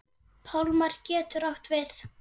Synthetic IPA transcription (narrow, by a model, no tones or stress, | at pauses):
pʰawlmaɾ̥cɛːt̪ʏɾawht̪vɪθ